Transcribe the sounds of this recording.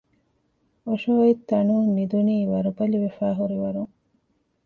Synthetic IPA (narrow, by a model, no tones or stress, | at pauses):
oʃooit̪ːɐɳuːnid̪uniːʋɐɾubɐliʋefaːɦuɾiʋɐɾuŋ